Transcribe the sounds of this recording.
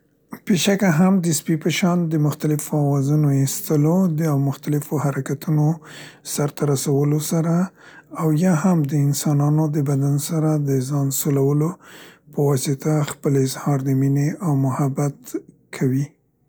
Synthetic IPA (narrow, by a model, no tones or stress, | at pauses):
peʃakaɦamd̪əspipəʃɑnd̪əmʊxt̪alɪfawɑzunoist̪əlod̪əawmʊxt̪alɪfoɦaɾakat̪unosaɾt̪aɾasawəlosaɾaː | wjɑhamd̪əɪnsɑnɑnod̪əbad̪ansaɾad̪əzɑnsolawəlopəwɑsɪt̪ʰaxpəlɪzhɑɾd̪əmineʔawmʊhabat̪ | kʰawi